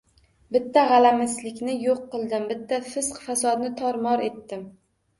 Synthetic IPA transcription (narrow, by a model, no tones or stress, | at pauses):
bɪt̪ʰːaʁɑlamɪslɪkʲnɪjoqːɨlˠd̪ɪmbɪt̪ʰːafɪsqfasɒd̪nɪt̪ʰɒɾmɒɾe̞t̪ːɪm